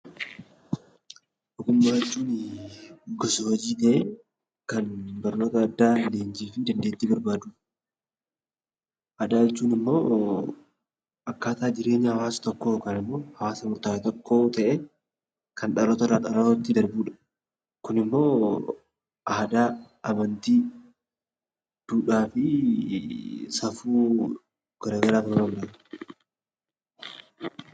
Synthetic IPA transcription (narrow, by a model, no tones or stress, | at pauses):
ɔkːʊmːaːɛt͡ʃːuːnɪ | ɡɔsohɔd͡ʒiːt̪ɐʔe | kɐnbɐɾno̞ːt̪ɐːd̪ːaːleːnd͡ʒiːfɪd̪ɐnd̪eːt̪ːibɐɾbaːd̪uː | ʔɐd̪aːjɛt͡ʃːuːnɪmːo̞ː | ɐkːaːt̪aːd͡ʒɪɾe̞ːɲːɐhɐwaːsɐ̥t̪ɔkːoːkɐnɪmːo̞ːhɐwaːsɐmʊɾt̪aːɪt̪ɔkːo̞ːt̪ɐʔeː | kʰɐnᶑɐɾɔt̪ɐɾaᶑɐɾoɔt̪ːɪd̪ɐɾbuːᶑɐ̥ | kʊnɪmːo̞ː | ʔɐhd̪aː | ɐmɐnt̪iː | d̪̥uːᶑaːfɪ | sɐfuː | ɡ̥ɐɾaːɡɐɾaːfɾɾɐmᶑɐ